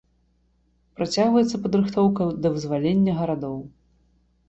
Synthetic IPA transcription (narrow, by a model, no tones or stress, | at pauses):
pɾat͡sʲaɣvɐjɛt̪sːɐpɐd̪ɾɨxt̪ɔwkɐd̪ɐvɨzvalʲenʲːɐɣɐɾad̪ɔw